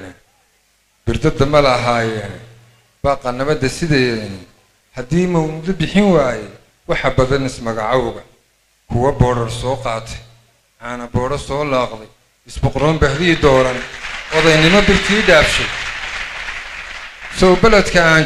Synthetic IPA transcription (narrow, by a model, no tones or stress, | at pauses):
n | b̥ɪrd̪ɐd̪ɐmɐlɐɦaːjɛːn | b̥aːqɑnɐβɐd̪ɐsɪðɛjɛːn | hɐd̪iːmɐwmd̪ɐbɪħɪnwaːjɛ | wɑħɑbɐðɐnɪsmɐɣɑʕɑwʊɣɐ | kʰʊwɐbɔːɽɐrsɔːqɑːt̪ʰɛ̥j | ʔaːnɐbɔːɽɐsɔːlaːqðɛj | ɪsbʊqɾɔːmbɐħðɪd̪ɔːɾɐnwɐðɛjnɪmɔbɪrt̪ʰiːɖaːbʃɛj | sɔʊbɐlɐd̪kʰɐaː